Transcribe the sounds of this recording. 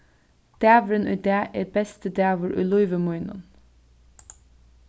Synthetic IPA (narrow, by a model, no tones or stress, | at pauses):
d̪̥æːʋəɾənʔʉ̰ːd̪æːʔeːɾbɛst̪əd̪æːʋəɾʔʉ̰ːlʊɪʋəmɔʏnʊ̰n